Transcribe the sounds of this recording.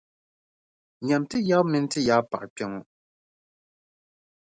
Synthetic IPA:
ɲa˨mtɨ˦ja˦mi˦n˦ti˦ja˨˦pa̰˨ʔpɛ˦ŋu˦

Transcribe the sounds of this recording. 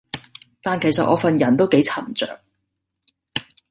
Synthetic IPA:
t̪aː˨˧nkʰe˨˩js̬ɐ˨t̚ʔɔ̰ː˨˧fɐ˨njɐ˨˩nt̪o˥wke˨˥jt͡sʰɐ˨˩mt͡sœ̰ː˨k̚

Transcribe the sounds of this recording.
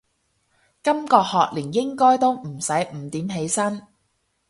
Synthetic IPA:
kɐ˥mkɔː˧k̚hɔː˨k̚liː˨˩njɪ˥ŋkɔː˥jt̪o˥wm̩˨˩sɐ˨˥jm̩˨˧˦t̪iː˨˥mɦe˨˧jsɐ˥n

